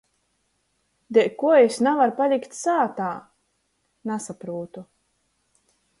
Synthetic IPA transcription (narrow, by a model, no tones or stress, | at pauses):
d̪ɛkuɔesnavaɾpalʲikt̪saːt̪aː | nasapɾuːt̪u